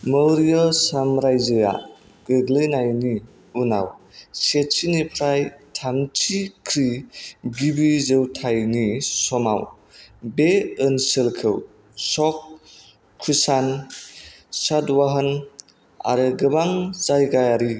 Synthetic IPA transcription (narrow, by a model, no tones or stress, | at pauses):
məwɾijɔsamɾajzɯja̰ | ɡɯɡlɯjnajni | una̰wset̚t͡ʃinipʰɾajtʰamt͡ʃʰikʰɾiɡibizɯwtʰajnisɔma̰w | beɯnsɯlkʰɯw | sɔkʰː | ɾisan | sadwaɦən | a̰ɾɯɡɯbaŋzajɡajaɾi